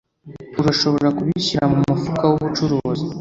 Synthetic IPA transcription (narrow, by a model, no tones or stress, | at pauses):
uɾaʃo̞βo̞ɾakuβiɕiɾamumufukawuβut͡ʃuɾoːzi